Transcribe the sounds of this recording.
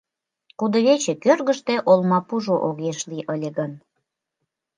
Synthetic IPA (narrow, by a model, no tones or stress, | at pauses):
kud̪oβet͡ɕĕkørɣəʃt̪eʔolmɑpuʒoʔoɣeʃliʔəlʲĕɣən